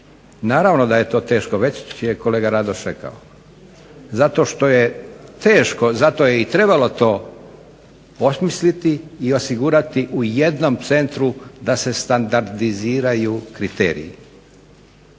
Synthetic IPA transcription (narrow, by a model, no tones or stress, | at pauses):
naːɾaʋno̞d̪aje̞t̪o̞ːt̪e̞ːʃkoʋe̞t͡ɕijeko̞leːɡaɾad̪oʃɾeka̰o | zat̪o̞ʃt̪o̞jet̪e̞ːʃko̞zat̪o̞je̞it̪ɾe̞balo̞t̪o̞ː | osmislit̪iːo̞siɡuɾat̪iʔuje̞d̪no̞mt̪se̞nt̪ɾud̪ase̞st̪and̪aɾd̪iziːɾajuːkɾit̪ḛːɾḭjḭ